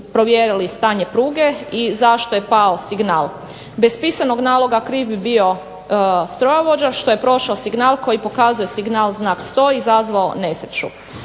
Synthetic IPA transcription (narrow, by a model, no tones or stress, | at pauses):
pɾo̞ʋjeɾilist̪aːɲepɾuːɡe̞izaʃt̪ojepaosiɡnaːlˠ | bespisano̞ɡnaːlˠo̞ɡakɾiːfbibio̞ | st̪ɾojaʋo̞d͡ʑaʃt̪o̞je̞pɾo̞ʃaosiɡnaːlˠko̞jipo̞kazuje̞siɡnaːlˠznaːkst̪o̞ːizazʋao̰ne̞set͡ʃṵ